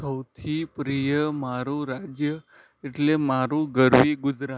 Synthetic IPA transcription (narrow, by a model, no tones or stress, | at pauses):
səwt̪ʰipɾijəmaɾũɾad͡ʒjə | eʈlemaɾũɡəɾʋiɡʊd͡ʒɾa